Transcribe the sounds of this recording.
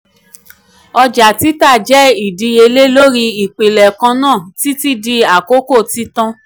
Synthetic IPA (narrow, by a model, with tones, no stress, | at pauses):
ɔ˧d͡ʒa˨ti˦ta˦˨d͡ʒɛ˨˦i˨di˧e˧le˦lo˦ɾi˧i˨k͡pe˨lɛ˨kã˧nãː˦˨ti˨˦ti˦di˧a˨ko˦ko˦˨ti˦tã˦